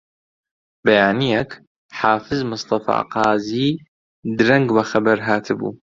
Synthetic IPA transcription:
bɐjaːnijɛk | ħaːfɨzmʊst̪ˤɑfɑ̰ːqɑːziː | d̪ɾɐŋɡbɐxɐbɐɾɦaːt̪ʰɨbṵː

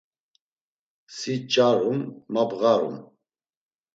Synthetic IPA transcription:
sit͡ʃʼaɾumːabɣaɾṵm

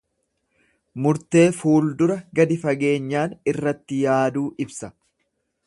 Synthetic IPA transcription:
mʊɾt̪e̞ːfuːld̪ʊɾɐɡɐd̪ɪfɐɡe̞ːɲːaːnɪrːɐt̪ːɪjaːd̪uːʔɪbsɐ

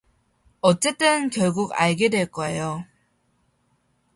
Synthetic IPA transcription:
ʌt͡ɕ͈e̞t͈ɯnkjʌɭɡuɡa̰ɭɡe̞dwe̞ɭk͈ʌejo

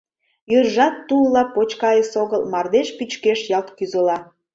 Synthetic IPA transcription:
jørʒɑt̪ːulɑpot͡ɕkɑjesoɣəlmɑrd̪eʃpyt͡ɕkeʃjɑlt̪kyzəlɑ

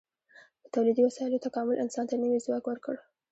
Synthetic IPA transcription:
d̪ət̪awlid̪iwasɑɪlot̪akɑmʊlʔɪ̰nsɑnt̪anəwizwɑkwəɾkəɽ

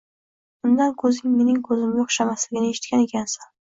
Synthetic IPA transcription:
b̥ʊnd̪ankʰɵzɪŋme̞nɪŋkʰɵzɪmjɒχʃamaslɪɡʲɪnɪeʃɪ̥t̪kʲane̞kʲʰansɪn

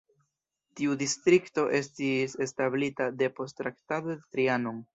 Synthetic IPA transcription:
tiudistɾikto̞ʔe̞stise̞stablitade̞po̞stɾaktadodetɾianoŋ

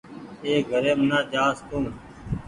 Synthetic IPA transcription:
eːɡʱəɾeːmnaːd͡ʒaːst̪ũː

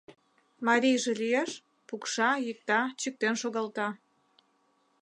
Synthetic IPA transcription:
mɑɾʲijʒelijeʃ | pukʃɑjik̚t̪ɑt͡ɕik̚t̪enʃoɣɑlt̪ɑ

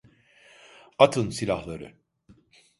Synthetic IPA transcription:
at̪ʰɯnsilʲahlˠaɾɯ̰

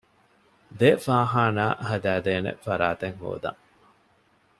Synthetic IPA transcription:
d̪efaːɦaːna̰ːhɐd̪æːd̪eːnḛfɐɾaːt̪eŋho̰ːd̪ɐ̰ŋ

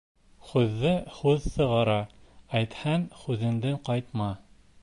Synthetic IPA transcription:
χʉðːɘhʉðsɤ̆ʁɑɾɑæjt̪hænχʉðɘ̆nd̪ɘɴqɑjt̪mɑ

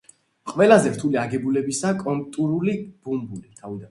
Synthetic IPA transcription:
qʼvɛlazɛɾt̪ʰuliaɡɛbulɛbisakʼɔnt̪ʼuɾulib̥umbulit̪ʰavid̪a

